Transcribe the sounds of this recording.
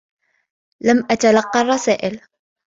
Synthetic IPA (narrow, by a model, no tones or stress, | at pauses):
lamʔat̪alɑqːɑrˤːɑsaːʔɪl